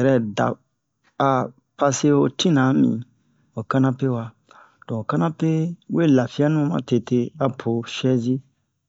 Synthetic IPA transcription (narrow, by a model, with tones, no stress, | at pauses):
ɛ˨ɾɛ˦da̰˨ | a˨ | pa˧se˦o˧tĩ˦nã˨˦mḭ̃˨ | o˨ka˦nã˦pe˦wa˧ | tɔ̃˨o˨ka˦nã˦pe˦we˦la˨fi˦a˦nũ˦mã̰˨˦te˧te˧a˨pʰo˨ʃɛ˦zi˦